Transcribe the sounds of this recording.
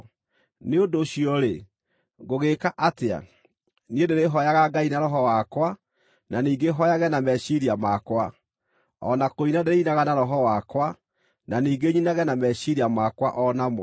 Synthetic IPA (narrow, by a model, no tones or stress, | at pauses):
neodoɕiɔɾe | ɣoɣekaʔatea̰ | niedeɾeɦɔjaɣaɡainaɾɔɦɔwakwa | naniːɡeɦɔjaɣɛnamɛɕiɾiamakwa | ɔ̰nakoinadeɾeinaɣanaɾɔɦɔwakwa | naniːɡeɲinaɣɛnamɛɕiɾiamakwaʔɔnamɔ